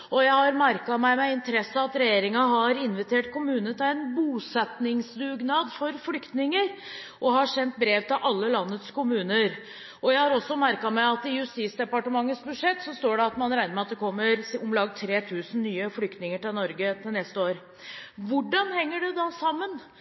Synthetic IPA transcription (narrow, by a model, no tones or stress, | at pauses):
ɔjæɪhɑɾmæɾkɑmæɪmɛɪnt̪əɾɛsːəɑt̪ɾɛjeːɾɪŋɑɦɑɾɪnʋɪt̪ʰeːʈkʰʊmʉːnənət̪ʰɪlæɪnbuːsɛt̪nɪŋsd̪ʉːɡnɑːd̪fɔɾflʏkt̪nɪŋəɾ | ʔɔhɑʂɛnt̪̚bɾeːʋt̪ɪlʔɑlːəlɑnːət̪skʊmʉːnəɾ | ɔjæɪhɑɾɔsːɔmæɾkɑmɛɪɑt̪ɪʉst̪iːsd̪ɛpɑʈəmɑŋːəsbʉʂɛt̪ːsɔst̪oːɖɛɑt̪mɑnɾæɪnəɾmɛɑt̪̚d̪ɛkʰɔmːəɾʊmlɑːɡt̪ʰɾeːt̪ʰʉːsn̩nyːəflʏkt̪nɪŋəʈɪlnɔɾɡət̪ʰɪlnɛst̪əoːɾ | ʋʊɖɑnhɛŋːəɖɛd̪ɑsɑmːən